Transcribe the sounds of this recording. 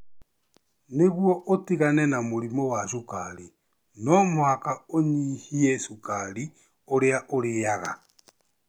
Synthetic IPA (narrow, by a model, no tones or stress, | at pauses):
neɣwɔʔotiɣanɛnamoɾimowaʃukaɾi | nɔmwakaoɲihiɛsukaɾi | oɾeaʔoɾejaɣa̰